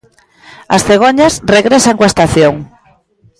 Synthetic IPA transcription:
asθeɣ̞oɲasreɣɾesaŋkwaest̪aθjoŋ

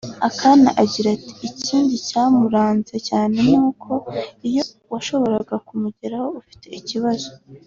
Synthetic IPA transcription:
akana̰ʔaɟiɾati̥iciːndicaːmuɾaːnzecaːne̞nuːkʰo̞ijo̞ | waʃo̞βo̞ɾaɡakumuɟeɾaho̞ufi̥te̞̰ʔiciβazo̞

